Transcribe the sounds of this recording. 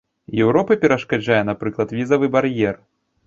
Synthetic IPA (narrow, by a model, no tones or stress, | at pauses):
jɛwɾɔpɨpʲɛɾɐʂkad͡ʒajɛnapɾɨklˠɐt̪vʲizɐvɨbaɾjɛr